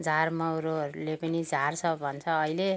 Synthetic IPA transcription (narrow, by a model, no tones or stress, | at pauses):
d͡zarmʌwɾoɾulepʌnid͡zʱart͡sʰʌbʱʌnt͡sʰʌːile